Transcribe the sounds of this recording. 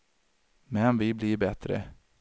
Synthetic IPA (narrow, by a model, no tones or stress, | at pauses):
mɛnvɪbliɾbɛt̪ɾə̰